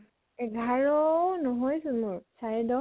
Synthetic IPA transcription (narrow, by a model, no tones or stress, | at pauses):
ɛɡʱaɹɔnɔɦɔjsʊ̃mʊɹsajdɔ